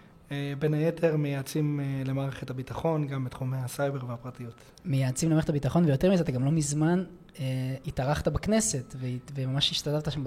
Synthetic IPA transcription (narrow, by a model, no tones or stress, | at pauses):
ebenajetʰe̞ʁmejaːt͡simlemaːʁeχethabitaχo̞nɡambet̪χumejhasajbe̞ʁveapʁatijut | mejaːt͡simlemaet̪ʰabitaχo̞nvejo̞temizeat̪aɡamlo̞mizman | eitaʁaχtabakne̞se̞tvevemamaʃiʃtadavtaʃam